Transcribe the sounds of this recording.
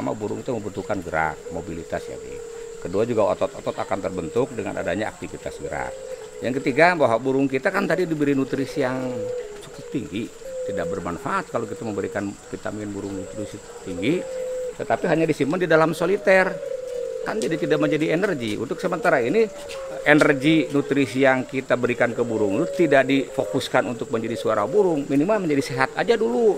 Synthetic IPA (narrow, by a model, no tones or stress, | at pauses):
ama̰buɾʊŋkit̪aməbənt̪ukanɡəɾa̰k̚mobilit̪asja̰kḭkəduad͡ʒuɡao̰t̪ɔt̪ɔt̪ɔt̪akant̪ərbənt̪ʊk̚dəŋa̰nʔa̰daɲaa̰k̚t̪ifit̪a̰sɡəɾa̰k | jaŋkət̪iɡabaɦwaʔbuɾʊŋkit̪akant̪adidibəɾinut̪ɾisijaŋt͡ʃu̥kʊp̚t̪iŋɡit̪idak̚bərmanfaʔat̪̚kalokit̪aməmbəɾikanfit̪aminbuɾʊŋnut̪ɾisi | t̪iŋɡit̪ət̪apiɦaɲadisiməndidalamsolit̪ɛrkand͡ʒadit̪idaʔməɲd͡ʒadiɛnərɡiʔṵnt̪ʊksəmənt̪aɾaini | ɛnərɡinut̪ɾisijaŋkit̪abəɾikankəbuɾʊŋdut̪idaʔdifokuskanunt̪ʊk̚məɲd͡ʒadisuaɾa̰buɾʊŋminimalməɲd͡ʒadiseɦat̪a̰d͡ʒadulu